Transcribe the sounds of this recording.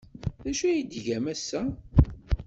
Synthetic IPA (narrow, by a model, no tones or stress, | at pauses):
ðæʃæjid̪ʝæmæsːæ